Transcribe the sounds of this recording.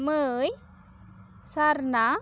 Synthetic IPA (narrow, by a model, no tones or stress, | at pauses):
məj | saɾna